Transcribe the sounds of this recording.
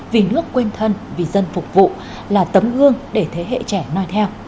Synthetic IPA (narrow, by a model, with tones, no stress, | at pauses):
vi˨˩nɨ˦˥əkːwe˧nt̪ʰə˧nvi˨˩zə˧nfʊ˨˩k͡p̚vṵ˧˨ | laː˨˩t̪ə˨˦mʔɨ˧əŋɗe˧˩t̪ʰe˨˦ɦḛ˧˨t͡ɕɛ˧˩nɔ˧jt̪ʰɛ˧w